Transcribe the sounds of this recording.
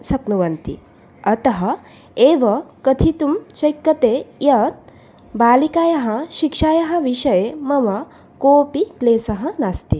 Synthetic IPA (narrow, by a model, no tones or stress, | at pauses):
sɐknuʋɐnt̪ḭ | ɐt̪ɐɦɐ | eːʋɐkɐt̪ʰit̪umt͡ʃɐjkːɐt̪eːjɐt̪̚ | baːlikaːjɐɦɐʃikʂaːjɐɦɐ̆ʋiʃɐjemɐʋɐ | koːpikleːsɐɦɐnast̪i